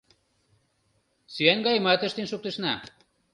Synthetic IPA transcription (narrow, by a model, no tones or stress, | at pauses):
syænɡɑjmɑt̪ə̆ʃt̪inʃuk̚t̪ĕʃnɑ